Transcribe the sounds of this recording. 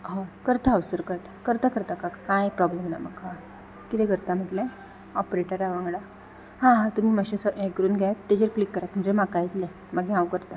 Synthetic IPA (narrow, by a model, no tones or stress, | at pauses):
ɦãkəɾt̪aəʋsəɾkəɾt̪ḁkəɾt̪akəɾt̪akakajpɾɔblemna̰məɡka | kit̪ɛkəɾt̪am̤əʈlẽ | ɔpɾeʈəɾaʋãŋɡɭa | hãɦãt̪um̤iːməɕesəʔekɾuːnɡʱjajt̪ːed͡ʑəɾklikːəɾat̪̚m̤əɳd͡zemakajit̪lẽ | məɡãwkəɾt̪a